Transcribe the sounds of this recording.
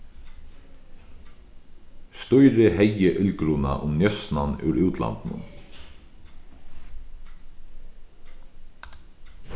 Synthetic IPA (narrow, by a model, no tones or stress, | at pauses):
st̪ɔjɾɪhɛjːɪʔʏlkɾuna̰ʔʊmnjœsnanʉ̰ɾʉwt̪la̰nt̪nʊ̰n